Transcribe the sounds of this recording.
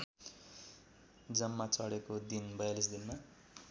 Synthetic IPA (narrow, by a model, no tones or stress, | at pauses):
d͡zʌmːat͡sʌɽekod̪inbʌjalis̬d̪inma